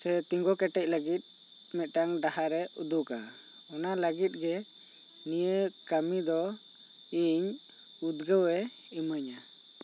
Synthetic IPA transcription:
sɛt̪iŋɡɔkɛʈɛc̚ləɡit̪̚ˀ | mɛt̪̚ʈaŋɖahaɾɛud̪uka | ɔnaləɡit̪̚ɡɛ | nijəkamid̪ɔ | iɲ | ud̪ɡəwɛ | iməɲa

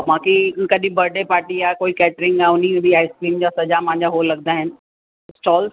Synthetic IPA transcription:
mãːkikɐɗĩbɐɾɖepaːɾʈiaːekoːikɛːʈɾɪ̃ŋɡaːʊn̤imẽbʱiaːɪskɾiːmd͡ʑaːsɐd͡ʑamɐ̃ɦɪ̃ɲd͡ʑaɦoːlɐɡ̚d̪aɦɪnɪ̆ | sʈɔːls

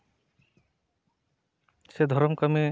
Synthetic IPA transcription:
sed̪ʱɔɾɔmkame

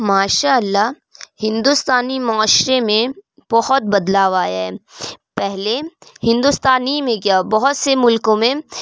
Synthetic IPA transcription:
maːʃaːəlːa | hɪ̃nd̪ust̪aːnimʊaːʃɾemẽ | b̥ɐɦɔt̪̚bɐd̪laːʋaːjaɦɛːpɛɦlehɪ̃nd̪ʊst̪aːnimẽkjabɐɦɔt̪semʊlkõmẽ

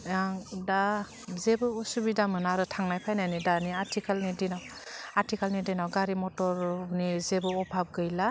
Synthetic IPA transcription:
jaŋda | zebɯɔsubidamɯnaɾɯtʰaŋnajpʰajnajnidaniaɾtʰikʰalnidinaw | aɾtikalnidinawɡaɾimɔtɔɾnizebɯɔpʰap̚ɡɯjla

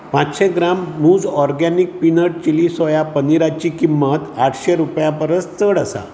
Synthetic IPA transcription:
pãt͡sɕeɡɾamːuːd͡zɔɾɡanik̚pinəʈ̚t͡ɕilisɔjapəniɾat͡ɕikimːət̪aʈʰɕeɾupjãpəɾət͡sst͡səɽəsa̰

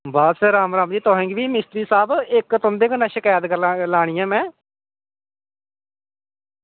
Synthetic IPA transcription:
baːsɾaːmɾaːmd͡ʒ̪iːt̪ɔːɦẽːŋɡʋiːmɪst̪ɾiːsaːbɪkt̪ʊ̃nd̪eːknaːʃɪkaːjət̪kəɾlaːɽ̃ijãːmɛ̃ː

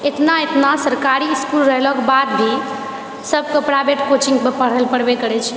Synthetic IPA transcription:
et̪naet̪nasəɾkaɾiskulɾəɦlɔkbad̪̚bʱi | səbkəpɽabeʈkot͡ʃiŋɡpəpəɽ̤əlpəɽbekəɾɛt͡ʃʰ

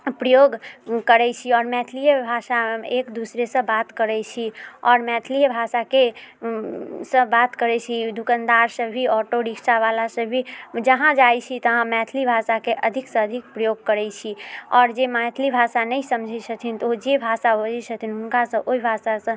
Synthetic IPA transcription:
pɾəjoɡkəɾɛt͡ʃʰiɔɾmɛt̪ʰlijbʱasaekd̪usɾesə̃bat̪kəɾɛt͡ʃʰiɔːɾmɛt̪ʰlijəbʱasake | sə̃bat̪kəɾɛt͡ʃʰid̪ʱukənd̪aɾsəbːiɔʈoɾiksaβalasəbʱid͡ʒəɦãd͡ʒajt͡ʃʰit̪əɦãmɛt̪ʰlibʱasakeʔəd̪ʱiksə̃əd̪ʱik̚pɾəjoɡ̚kəɾɛt͡ʃʰiɔːɾd͡ʒemɛt̪ʰlibʱasanəjsəmd͡ʒʱisʰət̪ʰint̪od͡ʒebʱasabəd͡ʒisʰət̪ʰinɦunkasə̃ʔoibʱasasə̃

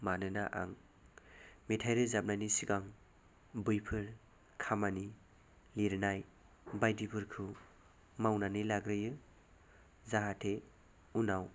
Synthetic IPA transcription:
manɯnaʔa̰ŋ | metʰajɾɯzab̚najnisiɡaŋ | bɯjpʰɯɾ | kʰamani | liɾɯnaj | bajdipʰɯɾkʰɯ | mawnanɯlaɡɾɯjɯ | zaɦatʰe | unaw

